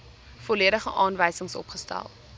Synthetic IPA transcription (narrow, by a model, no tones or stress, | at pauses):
fɔliəɾəχəʔɑːnvəjsəŋsɔ̰pχəstæ̰lˠ